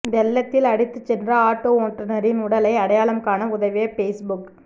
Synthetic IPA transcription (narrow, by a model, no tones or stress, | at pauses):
ʋɛlːɐt̪ːɪlɐɽɪt̪ːɯt͡ʃːɛndrɐaːʈːoːʈːɐnɐɾɪnʊɽɐlɐɪɐɽɐjaːlɐmkaːnɐʊðɐʋeːpeːsbʊk